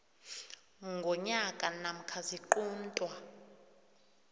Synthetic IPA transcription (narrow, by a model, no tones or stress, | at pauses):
ŋɡʱɔɲakʼanam̩kʰaziǃuːntʼwa